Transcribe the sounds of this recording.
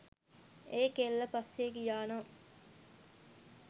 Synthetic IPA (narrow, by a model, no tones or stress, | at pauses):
eːkelːɐpɐsːeːɡijaːno